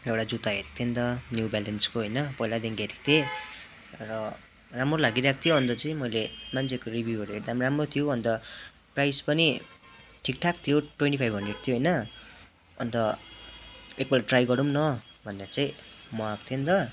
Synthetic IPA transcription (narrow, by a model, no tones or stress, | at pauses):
ewɽad͡zut̪aɦeɾt̪ʰend̪ʌnjubalenskoɦʌjnʌpʌijlad̪iŋɡeɾek̚t̪ʰe | rʌ | ramrolaɡiɾak̚ʰt̪ʰijoɦʌnt̪ʌt͡sʌĩmʌjlemant͡sʰekoribʱjuɦʌɾuɦeʈd̪amramrot̪ʰijoʌnt̪ʌ | prajspʌni | ʈʰik̚ʈʰak̚t̪ʰijoʈwenʈipʰajbʱɦʌnɖreʈt̪ʰijoɦʌjnʌ | ʌ̰nt̪ʌ | ek̚bʌlʈrajɡʌɾumnʌbʱʌneat͡saĩmʌak̚t̪ʰent̪ʌ